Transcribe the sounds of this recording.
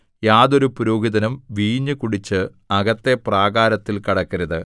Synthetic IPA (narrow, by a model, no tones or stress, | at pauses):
jaːðo̞ɾupuɾoːɡiðɐnɐmʋiːɲːɨkuɽit͡ɕːɨ | ɐɡɐt̪ːe̞praːɡaːɾɐt̪ːilkɐɽɐkːɐɾɐðɨ